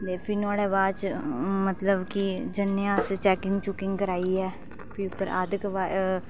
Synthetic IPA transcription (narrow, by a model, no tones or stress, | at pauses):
d̪eːpʰinaːɽeːbaːt͡ʃmət̪ləbkid͡ʒənːjãːst͡ʃɛːkɪŋɡt͡ʃʊkɪ̃ŋɡkəɾaːiːɛː | pʰiʊpəɾa̰ːd̪kəʋaː